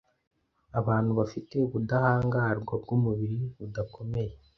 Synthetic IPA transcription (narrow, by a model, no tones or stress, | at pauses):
aβaːnhuβafite̞uβudahaːŋɡaɾɡwabɡumuβiɾiβudakʰo̞me̞je̞